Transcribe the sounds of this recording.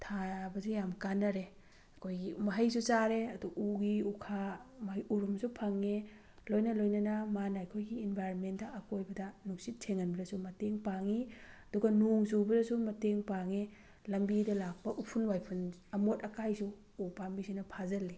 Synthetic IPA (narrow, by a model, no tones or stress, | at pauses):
tʰabɐsujamkanɐɾe | ɐkʰojɡimɐɦɐjsut͡ʃaɾeɐduuɡiukʰamɐɦjuɾumsupʰɐŋːe | lojnɐlojnɐnɐmanajkʰojɡiːnbʱajɾonmentdɐʔɐkojbɐdɐnuk̚sit̚tʰeŋɐnbɐdɐsumɐteŋpaŋiɐduɡɐnuŋzubɐdɐsumɐteŋpaŋe | lɐmbidɐlak̚pɐʔupʰunwajpʰunɐmotɐkajsuː | pambisinɐpʰazɐlːi